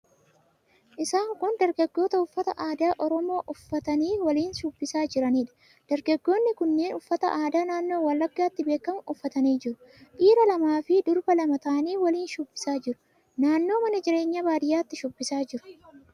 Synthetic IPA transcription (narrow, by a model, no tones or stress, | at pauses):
ʔɪsaːŋkʊnd̪ɐɾɡɐɡːo̞ːt̪ɐʊfːɐt̪ɐ̰ʔaːd̪aːʔɔɾɔmo̞ːʔʊfːɐt̪ɐniːwɐliːnʃʊbːɪsaːd͡ʒɪɾɐniːᶑɐ̥ | d̪̥ɐɾɡɐɡːo̞ːnːɪkʊnːeːnʊfːɐt̪ɐ̰ʔaːd̪aːnaːnːo̞ːwɐlːɐɡːaːt̪ːɪbe̞ːkːɐmʊfːɐt̪ɐniːd͡ʒɪɾʊ | ʔiːɾɐlɐmaːfɪd̪ʊɾbɐlɐmɐt̪aːniːwɐliːnʃʊbːɪsaːd͡ʒɪɾʊ̥ | naːnːo̞ːmɐnɐd͡ʒɪɾe̞ːɲːabaːd̪ɪjaːt̪ːɪʃʊbːɪsaːd͡ʒɪɾʊ̥